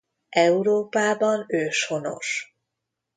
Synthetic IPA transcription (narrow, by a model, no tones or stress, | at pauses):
ʔɛuɾoːpaːbɒnøːʃho̞no̰ʃ